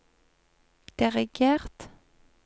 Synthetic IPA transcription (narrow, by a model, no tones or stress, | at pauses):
d̪̥ɪʁɪɡeːʁt̪